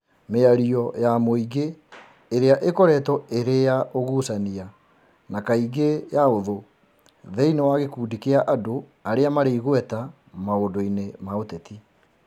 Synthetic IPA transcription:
meaɾiɔjamoiɡeː | ɾeaʔekɔɾɛtɔeɾejaʔoɣusania | nakaiɡejaoðo | ðɛinewaɣekuːdikeaʔado | aɾeamaɾeiɣwɛta | maondoinemaotɛti

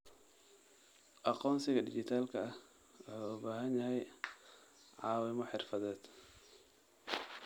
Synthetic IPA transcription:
ʔɑqɔːnsɪɣɐdɪt͡ʃɪt̪ʰaːlkʰɐɐh | ɔħaubaːɦɐnjɐɦɛj | ʕɑːwɪmɔħɪrfɐðɛːd̪̥

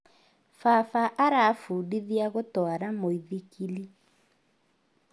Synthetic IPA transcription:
fafaʔaɾafuːdiðiaɣotɔaɾamoiðikʰili

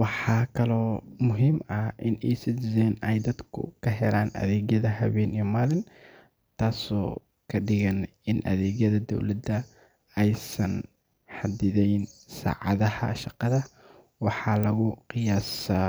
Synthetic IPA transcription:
wɑħɑːkʰɐlɔːmʊɦimɐhʔɪnʔiːsɪsɛːnɛjd̪ɐd̪kʰʊ̰kʰɐɦɛlaːnɐ̰ðɛːɣjɐðɐɦɐβɛːnijmaːlɪn | t̪ʰaːsɔː | kʰɐɖɪɣɐn | ɪnʔɐ̰ðɛːɣjɐðɐd̪ɔ̰wlɐd̪ɐ | ɛjsɐn | ħɑd̪ɪðɛjnsa̰ːʕɑ̰ðɐhɐ̰ʃɑqɑðɐ | wɑħɑːlɐɣʊqɪjaːsa

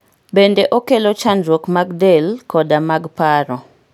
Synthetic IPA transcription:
bendeʔokelot͡ʃanɾokmaɡdelkɔdamaɡpaɾɔ

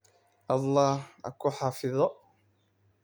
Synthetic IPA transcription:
ʔɑlˤːɑːha̰kʊħɑfɪðˤɔ

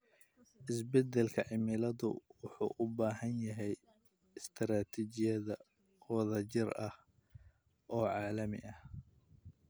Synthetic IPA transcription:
ʔɪsbɛd̪ɛlkʰɐʕɪmɪlɐðʊwʊħṵːʔʊbaːhɐnjɐɦɛj | ɪst̪ʰɾaːt̪ʰit͡ʃɪjɐðɐ | wɐðɐt͡ʃɪrɐh | ʔɔːʕɑːlɐmɪ̰ʔɐh

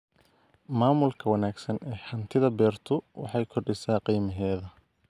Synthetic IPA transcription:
maːmʊlkʰɐwɐnaːɡsɐnɛːħɑnt̪ʰɪðɐbɛːrt̪ʰʊwɑ̰ħɑjkʰɔrɖɪsaːqiːmɐɦɛːðɐ

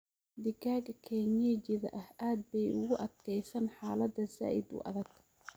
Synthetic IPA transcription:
d̪ɪɡaːɡɐkʰɛːɲɛt͡ʃɪðɐ̰ʔɐhaːd̪̚bɛjʊɣʊʔɐd̪kʰɛjsɐnħɑːlɐd̪ɐza̰ːʔɪ̰d̪ʊ̰ʔɐ̰ðɐɡ

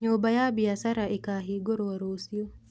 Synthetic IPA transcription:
ɲobajabiasaɾaʔekaɦiɡoɾowaɾosio

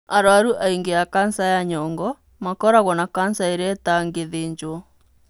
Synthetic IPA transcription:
aɾoaɾuʔaiŋɡeakansajaɲɔŋɡɔ | makɔɾaɣɔnakansaeɾɛtaŋɡeðeːɲd͡ʒwɔ

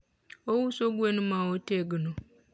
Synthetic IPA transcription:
owusoɡwenumawoteɡəno

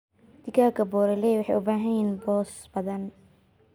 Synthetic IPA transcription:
d̪̥ɪɡaːkʰɐbɔːɾɛlɛwɑħɑ̰jʔʊbaːɦɐinbɔːs | bɐðɐn

